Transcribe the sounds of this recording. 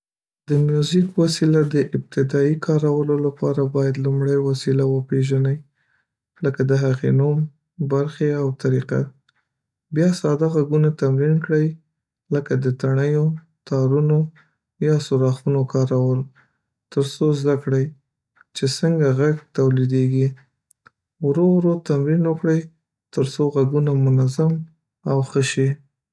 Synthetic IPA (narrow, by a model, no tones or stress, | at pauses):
d̪əmjuzɪkwasilad̪əʔɪb̚t̪ɪd̪ɑikʰɑɾawəlolapɑɾabɑjad̪lumɽəjwasilawəpeʒanəj | ləkad̪əɦaɣenum | baɾxeawt̪aɾiqa̰ | bjɑsɑd̪aɣaɡunat̪amɾinkɽəj | ləkad̪ət̪aɳəjo | t̪ɑɾuno | jɑsuɾɑxunokɑɾawəl | t̪əɾsozd̪akɽəj | t͡ʃesəŋɡaɣaɡt̪awlid̪eɡi | wɾowɾot̪amɾinwəkɽəj | t̪əɾsoɣaɡunamʊnazam | awxəʃi